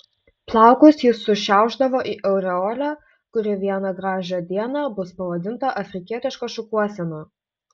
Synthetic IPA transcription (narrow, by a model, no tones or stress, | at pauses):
plˠɑˑʊkʊsjɪsːʊʃʲæˑʊʒd̪ɐʋoːʔiːʔɛʊɾʲɛoːlʲoː | kʊɾʲɪʋʲiɛnɐɡɾɑːʒʲoːd̪ʲiɛnɑːbʊspɐʋɐd̪ʲɪnt̪ɐʔɐfʲɾʲɪkʲiɛt̪ʲɪʃkɐʃʊkuɔsʲɛnoː